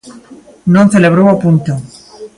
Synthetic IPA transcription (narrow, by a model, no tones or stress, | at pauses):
nõn̟θeleβ̞ɾowapunt̪o